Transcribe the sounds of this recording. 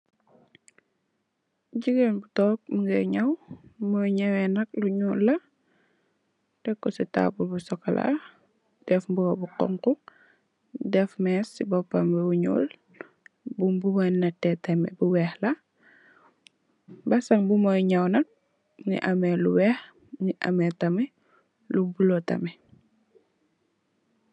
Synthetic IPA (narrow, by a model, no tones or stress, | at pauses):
ɟiɡenbutɔːk̚muŋɡɛɲɐwmɔjɲɛwɛnɐk̚luɲulːɐ | tɛkːɔsita̰bulbusɔkɐla̰ | d̥ɛfmbuɡɔbuqɔ̰ŋku | dɛfmɛsibɔpːambɛwuɲṵːl | bumbuwanɐtːɛtɛmɛbuwɛːxla | bɐsɐŋbumɔjɲawnɐk̚ | nḭʔɐmɛluwɛx | niʔɐ̰mɛtɐmɛ | lubulotɐ̰mɛ